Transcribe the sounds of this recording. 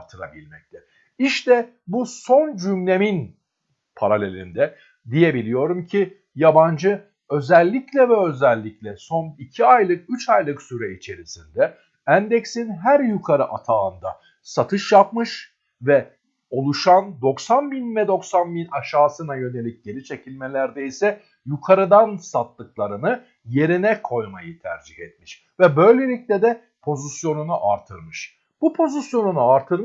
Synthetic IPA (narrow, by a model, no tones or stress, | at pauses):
ɾt̪ʰɯɾa̰bilʲmɛc̚t̪ʰɛ | iʃt̪ʰɛ | buso̞nd͡ʒymlʲe̞min | pʰaɾalʲe̞lʲḭnd̪ɛ | d̪ijebilʲijo̞ɾumcʰi | jaband͡ʒɯ | ø̞zɛlʲːiclʲɛvɛø̞zɛlʲːiclʲɛso̞nicʰiajlˠɯk̚yt͡ʃajlˠɯksyɾɛit͡ʃʰe̞ɾisind̪ɛ | ænd̪ɛcsinɦæɾjykʰaɾɯʔat̪ʰand̪a | sat̪ʰɯʃjap̚mɯʃ | vɛ | o̞lˠuʃand̪o̞ksanbinvɛd̪o̞ksanbinaʃaːsɯnajø̞ne̞lʲic̚ɟe̞ɾit͡ʃʰe̞cʰilʲmelʲæɾd̪ɛisɛ | jukʰaɾɯd̪ansat̪lˠɯklˠaɾɯnɯ | je̞ɾinɛkʰo̞jmajɯt̪ʰæ̰ɾd͡ʒihɛt̪̚miʃ | vɛbø̞jlʲe̞lʲic̚lʲɛd̪ɛ | pʰo̞zisjo̞nunuʔaɾt̪ʰɯɾmɯʃ | b̥upʰo̞zisjo̞nunuaɾt̪ʰɯɾ